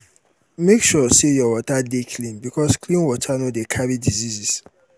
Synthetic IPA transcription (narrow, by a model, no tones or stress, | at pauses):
mekʃɔsejɔwɔtadekʰlĩnbikʰɔskʰlĩnwɔtʰanodekʰaɾidizizis